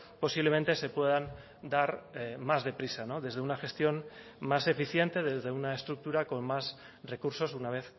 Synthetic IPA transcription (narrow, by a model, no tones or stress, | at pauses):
po̞siβle̞ment̪e̞se̞pwe̞ð̞an | d̪aɾmazðe̞pɾisano̞ðe̞zðe̞unaxe̞st̪jo̞mːase̞fiθje̞nt̪e̞ð̞e̞zð̞e̞unaest̪ɾuk̚t̪uɾako̞mmas | re̞kuɾso̞sunaβ̞e̞θ